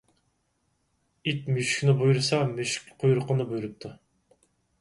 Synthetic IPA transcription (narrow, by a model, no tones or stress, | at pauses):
it̪myʃkʲnɪbujuɾɨsɑmyʃkʲqʰojuɾʊqʰənɨbujɾɨp̚t̪ʰu